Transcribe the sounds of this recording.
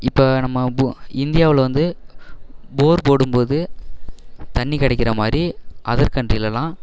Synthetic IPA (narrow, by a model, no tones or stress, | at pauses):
ɪpːoːnɐmːɐbuɪnd̪ɪjaːʋɪlʋɐnd̪ɯ | boːɾpoːɽɯmpoːðɯ | t̪ɐɳːikɐɽɐɪkːɪɾɐmaːd̪ɾiʔɐðɐɾkɐndrɪjɪlɐlãː